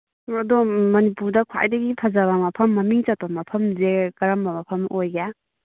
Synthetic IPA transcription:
ɐdɔmɐnipuɾdɐkʰwa̰jdɐɡipʰɐzaβɐmɐpʰɐmːɐmiŋt͡ʃɐt̚pɐmɐpʰɐmzekɐɾɐmbɐmɐpʰɐmʔojɡa

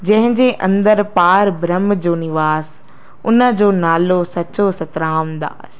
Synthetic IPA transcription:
d͡ʑɐ̃ɦɪ̃ɲd͡ʑeːʔɐ̰̃nd̪əɾpaːɾbɾəmd͡ʑoːnɪʋaːz | ʊnə̆d͡ʑoːnaːlosɐt͡ɕosɐt̪ɾaːmd̪a̰ː

